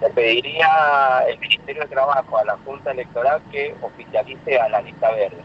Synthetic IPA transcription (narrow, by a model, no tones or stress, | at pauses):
t̪epeðiɾiaelmĩnist̪e̞ɾjo̞ðet̪ɾaβaxoalaxunt̪aelek̚t̪o̞ɾalkeofiθjaliθealalit̪aβeɾðe